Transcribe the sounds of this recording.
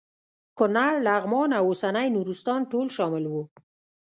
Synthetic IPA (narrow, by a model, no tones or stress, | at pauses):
kʊnaɾːaɣmɑnawosanajnuɾust̪ɑnʈolʃɑmɪlwu